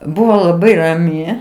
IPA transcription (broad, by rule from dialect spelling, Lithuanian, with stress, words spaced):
ˈbʊʋoː lˠɐˈbɐɪ rɐˈmʲɪ